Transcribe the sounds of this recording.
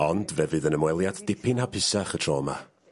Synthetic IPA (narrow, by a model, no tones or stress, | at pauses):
ɔndvɛvɨðənəmwɛlˠjadd̥ɪpʰɪnhapʰɪsaχətʰrɔːma̰